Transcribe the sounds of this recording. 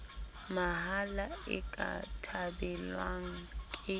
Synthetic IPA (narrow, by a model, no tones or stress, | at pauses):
maɦalaɪ̰kʼa̰tʰabɛlwaŋ̩kʼɪ